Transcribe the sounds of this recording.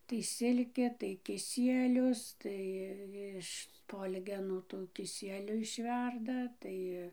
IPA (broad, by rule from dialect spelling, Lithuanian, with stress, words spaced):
tɐɪ ˈsʲɪlʲkʲeː tɐɪ kʲɪˈsʲiɛlʲʊs ˈtɐɪ ɪʃ ˈspoːlʲɡʲɛnuː tuː kʲɪˈsʲiɛlʲʊ ɪʃʲˈʋʲɛrdɐ ˈtɐɪ